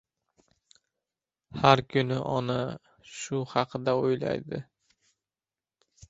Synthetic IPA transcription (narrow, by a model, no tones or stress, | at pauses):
haɾkʰʊnɪʔɒna | ʃʊhɑqʰɨd̪aojla̰jd̪ɪ̰